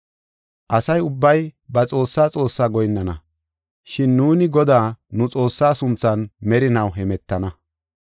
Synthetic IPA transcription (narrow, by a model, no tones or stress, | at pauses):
ʔɐsɐjʊbːɐjbɐt͡sʼo̞ːsːaːt͡sʼo̞ːsːaːɡɔjnːɐnɐ | ʃɪnːuːnɪɡɔd̪aːnʊt͡sʼo̞ːsːaːsʊnt͡sɐnmɛɾɪnɐwɦɛmɛt̪ːɐnɐ